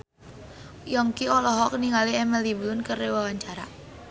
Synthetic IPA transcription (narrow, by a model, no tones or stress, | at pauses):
jɔŋkiɔlɔɦɔk̚niŋaliɛmɛliblʊnkərewawaɲt͡ʃaɾa̰